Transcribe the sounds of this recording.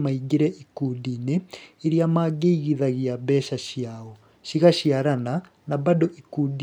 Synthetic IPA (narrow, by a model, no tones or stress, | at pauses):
maiɡeɾɛʔikudineːɾiamaɡeiɣiðaɣiabɛʃaɕiaɔ | ʃiɣaʃiaɾana | nabadɔʔikudi